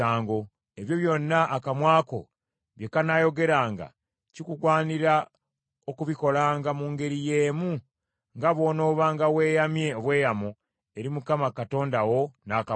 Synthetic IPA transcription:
aːŋɡo̞ | e̞βjo̞βjo̞nːaʔːkamwaːko̞̰ | βjekanajo̞ɡe̞ɾaːŋɡa̰ | cikuɡwaːniɾa | okuβiko̞laːŋɡamuːŋɡe̞ɾije̞ːmu | ŋɡaβwo̞ːno̞ːβaŋɡawe̞ːjamje̞oβwe̞ːjamo | e̞ɾimukamakato̞ːndawo̞naka

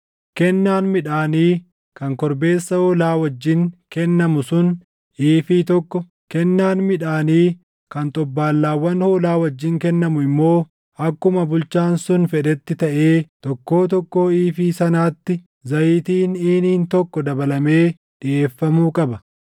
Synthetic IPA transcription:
kɛnːaːnmɪᶑaːniː | kɐŋkɔɾbe̞ːsːɐhoːlaːwɐd͡ʒːɪŋkɛnːɐmʊsʊn | iːfit̪ɔkːɔ | kɛnːaːnmɪᶑaːniː | kɐnt̪ʼɔbːaːlːaːwːɐnhoːlaːwɐd͡ʒːɪŋkɛnːɐmʊɪmːo̞ː | ɐkːʊmɐbʊlt͡ʃaːnsʊnfɛᶑɛt̪ːɪt̪ɐʔe̞ːt̪ɔkːo̞ːt̪̬ɔkːo̞ːiːfiːsɐnaːt̪ːɪ | zɐjiːt̪iːniːniːnt̪ɔkːɔd̪ɐbɐlɐme̞ː | ᶑɪʔe̞ːfːɐmuːkʼɐbɐ

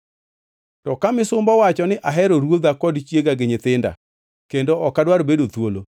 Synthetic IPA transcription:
tɔkamɪsʊmbɔwat͡ʃɔnɪʔaɦɛɾoɾwod̪akɔdt͡ʃjeɡaɡɪɲɪt̪ɪnda̰ | kendoɔkadwaɾbedot̪wolo

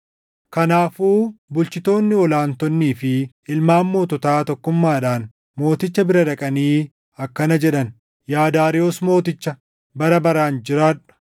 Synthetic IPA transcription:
kɐnaːfuːbʊlt͡ʃɪt̪o̞ːnːɪɔlaːnt̪ɔnːiːfɪ | ɪlmaːmːo̞ːt̪ɔt̪aːt̪ɔkːʊmːaːᶑaːn | mo̞ːt̪ɪt͡ʃːɐbɪɾɐᶑɐkʼɐniː | ɐkːɐnɐd͡ʒɛᶑɐn | jaːd̪aːɾɪoːsmo̞ːt̪ɪt͡ʃːɐ | bɐɾɐbɐɾaːnd͡ʒɪɾaːᶑɐ̥

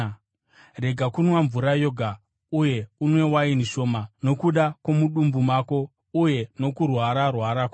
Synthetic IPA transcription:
re̞ɡʱakunwaɱvuɾajo̞ɡʱa | uje̞unwe̞wainiʃo̞ːmano̞kuɗakwo̞muɗumbumaːko̞ | uje̞no̞kurwaɾarwaɾako

